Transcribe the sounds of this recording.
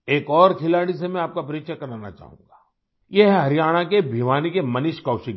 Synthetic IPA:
eːkɔːɾkʰɪlaːɽisemɛ̃aːp̚kapɐɾɪkʃakɐɾaːna̰t͡ʃa̰ːɦṵ̃ːŋɡaː | jeɦɛɦɐɾijaːɽ̃akebʱiʋaːnikemɐnɪʃkɐːʃɪk

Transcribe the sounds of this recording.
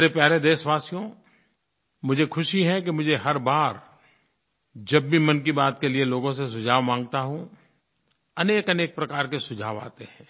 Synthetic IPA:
meɾepjaːɾed̪eːʃʋaːsijõ | mʊd͡ʒʱekʰʊʃiɦɛ̃k̬emʊd͡ʒʱeɦɐɾbaːɾ | d͡ʒɐbːʱimɐnk̬ibaːt̪kelieloːɡõsesʊd͡ʒʱaːʋmãːŋɡt̪aɦũ | ɐneːkɐneːk̚pɾɐkaːɾkesʊd͡ʒʱaːʋa̰ːt̪eɦɛ̃ː

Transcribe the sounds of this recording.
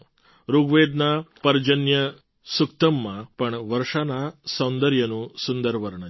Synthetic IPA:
ɾuɡʋeːd̪̚naːpɐɾd͡ʒɐnjɐ | sukt̪ɐmːɐpɐɳʋɐɾʂɐnaːsɐwnd̪ɐɾjɐnusund̪ɐɾʋɐɾɐɳɐ

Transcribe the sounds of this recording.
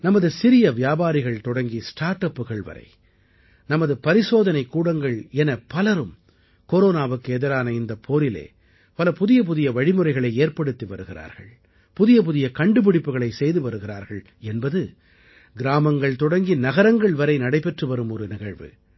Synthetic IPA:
nɐmɐðɯsɪɾɪjɐʋɪjaːbaːɾɪɣɐɭt̪ɔɽɐŋɡisʈaːɾʈɐpːɯɣɐɭʋɐ̰ɾɐ̰ɪ | nɐmɐðɯpɐɾɪsoːðɐnɐɪkːuːɽɐŋɡɐɭɛnɐpɐlɐɾɯm | koɾoːnaːʋɯkːɯɛðɪɾaːnɐɪnd̪ɐpʰːoːɾɪlḛː | pɐlɐpʊðɪjɐp̬ʊðɪjɐʋɐɻɪmɯrɐɪɣɐɭɐɪeːɾpɐɽɯt̪ːiʋɐɾɯɣɪɾa̰ːɾɣɐ̰ɭ | pʊðɪjɐp̬ʊðɪjɐkɐɳɖɯp̬ɪɽɪpːɯɣɐɭɐɪsɛjðɯʋɐɾɯɣɪɾaːɾɣɐɭ | ɛnbɐðɯ | ɡɪɾaːmɐŋɡɐɭt̪ɔɽɐŋɡinɐɣɐɾɐŋɡɐɭʋɐɾɐɪnɐɽɐɪpɛʈrɯʋɐɾɯmɔɾɯnɪɣɐɭʋɯ̰

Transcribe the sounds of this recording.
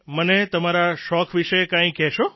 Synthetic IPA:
mənet̪əmaɾaʃɔkʋiʃekãĩkɛʃo

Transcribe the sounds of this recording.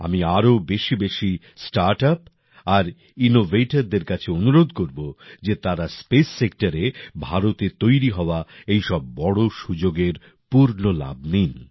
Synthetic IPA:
a̰miaɾobeʃibeʃi | sʈaɾʈap | aɾ | inovʱeʈaɾd̪eɾkat͡ɕʰeonuɾod̪ʱkoɾbod͡ʑet̪aɾaspesːek̚ʈaɾebʱaɾot̪et̪ojɾiɦɔoaejʃɔbːɔɽoʃud͡ʑoɡeɾ | puɾnola̰b̚nin

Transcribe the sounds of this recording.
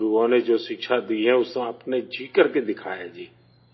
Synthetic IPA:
ɾuoːned͡ʒoːsɪkʃʰad̪iːɦɛ̃ːʊsəpned͡ʒʱiːkəɾked̪ɪkʰa̰ːjad͡ʒiː

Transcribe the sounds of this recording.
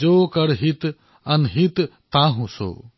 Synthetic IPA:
d͡ʒoːkɐɽɦit̪ | ɐnɦit̪ | t̪ãɦũso̰ː

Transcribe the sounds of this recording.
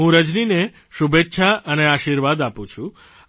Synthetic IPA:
ɦũɾəd͡ʒnine | ʃubetːʃʰaʔəneaʃiɾʋad̪apũt͡ʃʰũ

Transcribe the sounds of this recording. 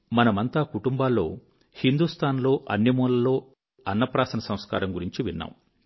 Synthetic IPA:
mɐnɐmɐnt̪aːkuʈumbaːlːo̞ː | hind̪ust̪ʰaːnlo̞ːʔɐ̰nːimuːlɐlo̞ː | ɐnːɐpɾaːsɐnɐsɐ̃mska̰ːɾɐmɡuɾiɲt͡ʃiʋinːa̰ːm

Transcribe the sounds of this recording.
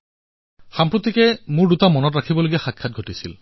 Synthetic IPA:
xampɹot̪ikɛmʊɹdutamɔnɔtɹakʰibɔloɡijaxakʰːat̚ɡʱotisil

